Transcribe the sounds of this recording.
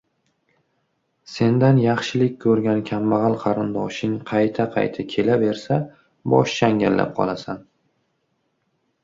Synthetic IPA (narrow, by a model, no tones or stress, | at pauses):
se̞nd̪anjɑχʃɪlɪkʲkʰɵɾɡʲankʲʰamːɑʁɑlˠqʰɑɾɪnd̪ɒʃɪŋqʰɑjt̪ʰaqʰɑ̰jt̪ʰakʲʰe̞lave̞ɾsa | bɒ̰ʃt͡ʃaŋɡʲa̰llːa̰p̚qʰɒ̰lˠasan